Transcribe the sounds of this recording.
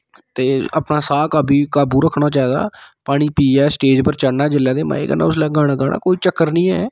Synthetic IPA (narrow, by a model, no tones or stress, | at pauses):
t̪eːə̰pnaːsaːkaːbʱiːkaːbuːɾəkʰːnaːt͡ʃaːɛːd̪a̰ːpaːɽ̃ĩːpiːɛːsʈeːd͡ʒpəɾt͡ʃəɽnaːd͡ʒɪlːaːd̪eːmã̰ːḛːkə̰nã̰ːʊslɛːɡaːɽ̃ãːɡaːɽa̰ːkoːiːt͡ʃəkːəɾnĩːɛː